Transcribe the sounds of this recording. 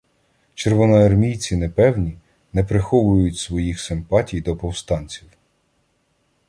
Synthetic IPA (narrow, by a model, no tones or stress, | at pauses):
t͡ʃerʋɔnɔɐrmʲijt͡sʲinepɛwnʲi | nɛpɾɪxɔʋʊjʊtʲsʋɔjixsɪmpɑtʲijd̪ɔpɔwst̪ɑnʲt͡sʲiw